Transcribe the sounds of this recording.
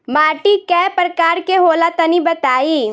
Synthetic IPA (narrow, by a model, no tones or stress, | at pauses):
maːʈikɛːpɾəkaːɾkeɦoːlat̪ɐnibɐt̪aːiː